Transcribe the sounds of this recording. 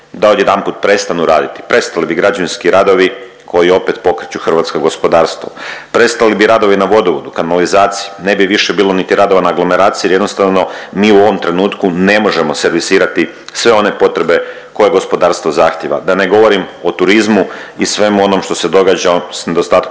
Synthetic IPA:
d̪ao̞d̪jed̪anpuːt̪̚pɾe̞st̪anuɾaːd̪it̪i̥pɾe̞st̪alibiɡɾad͡ʑaʋinskiɾad̪o̞ʋi | kʰo̞jio̞pe̞t̪po̞kɾet͡ɕuxrʋaːt̪skoɡo̞spo̞d̪aːɾst̪ʋo̰pɾe̞st̪alibiɾad̪o̞ʋinaʋo̞d̪oʋod̪ukanalizaːt̪sijine̞biʋiʃebiːlo̞nit̪iɾad̪o̞ʋanaaɡlˠo̞me̞ɾaːt̪sijije̞d̪nost̪aʋno̞miːuo̞ʋo̞mt̪ɾe̞nuːt̪kune̞mo̞ʒemo̞se̞ɾʋisiːɾat̪i | sʋe̞o̞ne̞po̞t̪ɾe̞be̞ | ko̞jeɡo̞spo̞d̪aːɾst̪vozaːxt̪jeʋa̰d̪ane̞ɡo̞ʋo̞ɾimo̞t̪uɾizmuisʋe̞muo̞nomʃt̪o̞se̞d̪o̞ɡaːd͡ʑasne̞d̪ost̪aːt̪k

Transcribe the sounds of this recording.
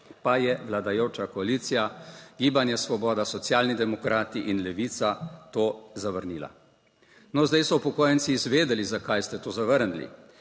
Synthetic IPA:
pajɛʋlad̪ajoːt͡ʃakɔaliːt̪sijaɡiːbanjasʋɔbɔːd̪asɔt̪sjaːlnid̪ɛmɔkɾʔaːt̪iʔinlɛʋiːt̪sat̪oːzaʋəɾniːla̰ | nɔzd̪ajsɔpɔkoːjɛnt̪siːzʋeːd̪ɛlizakajst̪ɛt̪oːzaʋəɾnlḭ

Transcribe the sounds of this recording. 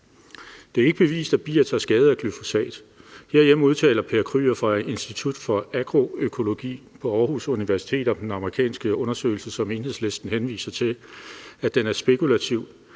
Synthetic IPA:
d̥e̝æɐe̝ɡ̥əb̥e̝ʋḭːsd̥æb̥ḭːɐt͡sʰæsɡ̥ɛːð̞̩ˠækʰlyfo̝sɛ̰ːd̥ | he̝ɐ̰jem̩uð̞ˠt͡sʰɛ̰ːlɐpʰe̝ɐkʰʁy̰ːɐfɒ̽ɐe̝nsd̥it͡sʰud̥fɒ̽æɡ̥ʁo̝økʰo̝lo̝ɡ̥ḭː | pʰɒ̽ɒɐhusuniʋæɐsi̥t͡sʰe̝̰ːd̥ɒ̽md̥enɑ̈məʁikʰɛ̰ːnsɡ̥əɔ̽nɐsø̰ːɪl̩səsɒ̽me̝ːnhe̝ðˠsle̝sd̥n̩henʋḭːsɐt͡sʰe̝ | æd̥enæɐsb̥e̝kulæt͡sʰiʊ̰

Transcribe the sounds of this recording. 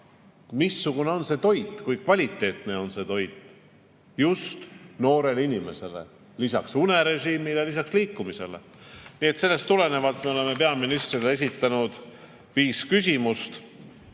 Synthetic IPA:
misːuɡ̥une̞o̞nse̞t̪o̞jd̪ˑkujkvɑlʲit̪ːˑe̞ːt̪ne̞o̞nse̞t̪o̞jd̪̥ | just̪no̞ːɾe̞linʲime̞̰se̞le̞̰ | lisɑ̰ksune̞ɾe̞ʒiːmilelisɑksliːkːˑumise̞̰lḛ | nie̞t̪se̞lːe̞st̪ule̞ne̞vɑlt̪ˑme̞o̞le̞me̞pe̞ɑminist̪rilee̞s̬it̪ːˑɑnud̪̥ | viːskysʲimust̪

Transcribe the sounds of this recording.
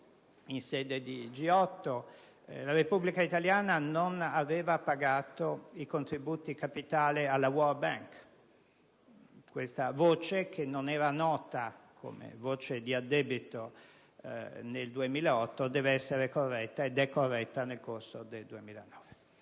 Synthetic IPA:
insɛːd̪ed̪id͡ʒiɔt̪ːo | laɾepubːlikait̪aljaːnanonavɛːvapaɡaːt̪oikont̪ɾibuːt̪ikapit̪aːlialːawɔrbaŋk | kːwest̪avoːt͡ʃekʰenːonɛːɾanɔːt̪akʰo̰mḛvoːt͡ʃed̪iad̪ːɛːbit̪o | neld̪uemiːlaɔt̪ːod̪ɛːveɛsːeɾekorːɛt̪ːaed̪ɛkːorːɛt̪ːanelkorsod̪eld̪uemiːlanɔːve

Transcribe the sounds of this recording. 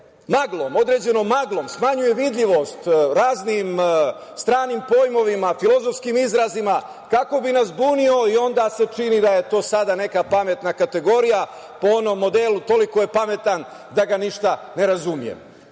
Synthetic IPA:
maɡlˠo̞mo̞d̪ɾe̞d͡ʑe̞no̞maɡlˠo̞msmaɲuje̞ʋid̪ʎʲiʋo̞st̪ɾaːznim | st̪ɾaːnimpo̞jmo̞ʋimafilˠo̞zofskimizɾazima | kako̞binasbuːnio̞io̞nd̪aːse̞t͡ʃinid̪aje̞t̪o̞ːsad̪ane̞kapame̞t̪nakat̪e̞ɡo̞ɾija | po̞ono̞mːo̞d̪elut̪o̞liko̞je̞pame̞t̪an | d̪aɡaniʃt̪ane̞ɾazumijḛm

